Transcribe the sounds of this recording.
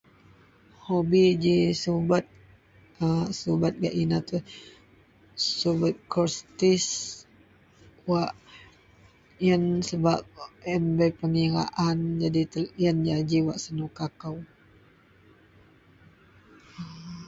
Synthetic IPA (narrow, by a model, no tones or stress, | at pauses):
hobid͡ʒisubat̪̚ | subat̪̚ɡaʔinat̪u | subat̪̚kɔrst̪is | waʔ | jənsəbap̚ɛmbəjpəŋiɾa̰ʔand͡ʒadit̪əjənjad͡ʒiwaʔsənukakaw